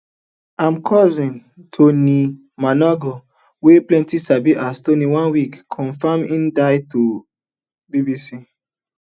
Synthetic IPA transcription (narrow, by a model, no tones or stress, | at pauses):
ãmkʰɔzĩn | tʰoni | manɔɡɔ | weplɛ̃ntisabiʔastoniwãnwikʰːɔ̃nfamĩndaɪto | bibisi